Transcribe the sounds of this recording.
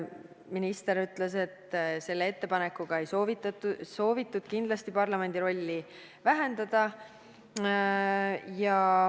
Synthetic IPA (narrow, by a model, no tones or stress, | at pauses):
minist̪e̞ɾyt̪les̬e̞t̪ːse̞lːee̞t̪ːe̞pɑne̞kːuɡ̥ɑe̞jso̞vit̪ːɑt̪ːuso̞ːvit̪ːˑud̪̥kind̪lɑst̪ipɑrlɑme̞nd̪iɾo̞lʲːi | væɦe̞nd̪̥ɑd̪̥ɑ | jɑ